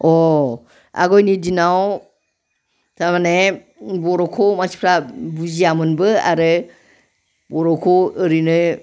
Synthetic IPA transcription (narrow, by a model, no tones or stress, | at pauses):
ɔ | a̰ɡɔjnidinaw | tʰamane | bɔɾɔkʰɔmasi̥pʰɾabuziamɯnbɯa̰ɾɯ | bɔɾɔkʰɔəɾinɯ